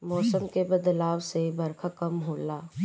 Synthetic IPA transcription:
mɔːsəmkebɐd̪laːwsebɐɾkʰakɐmɦoːlaː

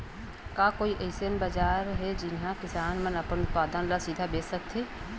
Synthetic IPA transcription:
kaːkoːiʔeːɪsenbəd͡ʒaːɾɦɛd͡ʒɪnɦãkɪsaːnmənəpənʊt̪̚paːd̪ənlasid̪ʱabeːssək̚t̪ʰeː

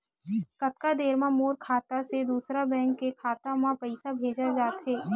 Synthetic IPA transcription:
kɐt̪̚kad̪eːɾmãmoːɾkʰaːt̪ased̪uːsɾabɛ̃ːŋkːekʰaːt̪amãpɐɪsabʱeːd͡ʒad͡ʒaːt̪ɦɛː

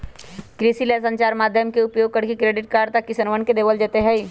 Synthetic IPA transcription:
kɾisilesɐ̃ɲt͡ʃaːɾmaːd̪ʱjəmkeʊpjoːɡ̚kɐɽkekɾeːɖɪʈ̚kaːɾɖt̪akːɪsənʋənked̪eːʋəld͡ʒeːt̪eɦɛi

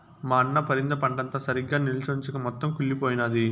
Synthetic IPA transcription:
maːɐnːɐpɐɾind̪ɐpɐɳɖɐnt̪ɐsɐɾiɡːaːnilt͡ʃont͡ʃukɐmɔt̪ːɐmkuɭːipoːjinaːd̪i

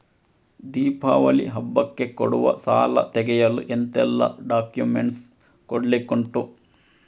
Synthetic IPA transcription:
d̪iːpʰaːʋɐlḭɦɐbːɐkːekoɽuʋɐ̰saːlɐ̰t̪ɛɡɛjɐluʔent̪ɛlːɐ̰ɖaːkjumeɳʈs | koɽɐlikoɳʈu

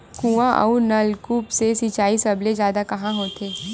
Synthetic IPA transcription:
kũʋãʔɐ̰unɐlkuːpsesiːt͡ʃaːisɐblezjaːd̪akɐɦãɦoːt̪eː

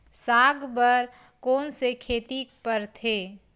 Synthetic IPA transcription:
saːɡʱbəɾ | koːnsekʰeːt̪ipəɾt̪ʰeː

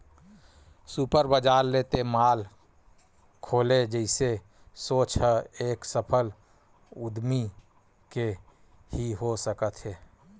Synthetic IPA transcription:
supəɾbəd͡ʒaːɾːeːt̪emaːl | kʰoːled͡ʒəɪse | soːt͡ʃɦəeːksəpʰəl | ʊd̪mi | ke | hiɦosəkət̪ɦɛː

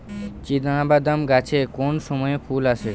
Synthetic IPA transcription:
t͡ɕid̪̃abad̪amɡat͡ɕʰekonʃɔmɔepʰulaʃʰe

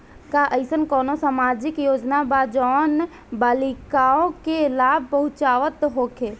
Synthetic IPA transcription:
kaʔəɪsənkɔːnosaːmad͡ʒɪkjoːd͡ʒnabad͡ʒɔːn | baːlikaõkelaːb̚ʱpəɦʊt͡ʃaːʋət̪ɦokʰe

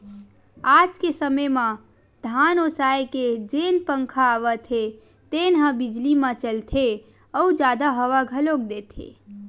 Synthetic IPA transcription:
ad͡ʒkesəməmã | d̪ʱanosajked͡ʒenpəŋkʰaːʋət̪ʰe | t̪enɦə̃bid͡ʒlimãt͡ʃəlt̪ʰe | əud͡ʒad̪aɦəʋaɡʱəlok̚d̪et̪ʰḛ

